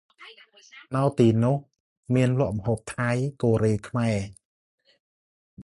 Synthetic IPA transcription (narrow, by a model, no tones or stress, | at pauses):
nawt̪iːnʊ̆əh | miənlʊ̆əʔməɦoːp̚t̪ʰajkoːɾeːkʰmaɛ